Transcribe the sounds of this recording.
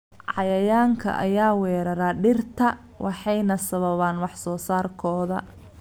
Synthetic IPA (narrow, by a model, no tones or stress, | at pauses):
ʕɑjɐjaːŋkʰɐ̰ʔɐ̰jaːwɛːɾɐɾaːɖɪrt̪ʰɐ | wʔɑħɑjnɐsɐβɐβaːnwɑħsɔːsaːrkʰɔːðɐ̰